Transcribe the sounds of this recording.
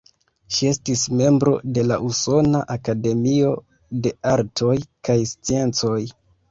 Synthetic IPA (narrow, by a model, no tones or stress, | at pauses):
ʃie̞stisme̞mbɾo̞̰de̞laʔuso̞naʔakade̞mio̞ | de̞aɾtʰo̞jkajst͡sie̞nt͡so̞j